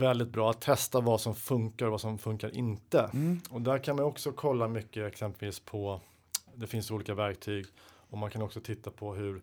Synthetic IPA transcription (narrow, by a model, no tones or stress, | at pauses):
vɛld̪ɪt̪̚bɾɑːat̪ʰːɛst̪avasɔmfɵŋkaɾvasɔmfɵŋkaɾʔɪnt̪əɔd̪æɾkʰanmajɔksɔkʰɔlːamʏkːəɛksɛmpɛlviːspʰɔ | d̪ɛfɪnsuːliːkavæɾk̚t̪ʰyːɡ | ɔmankʰanɔksɔt̪ʰɪt̪ːapʰɔɦɵɾ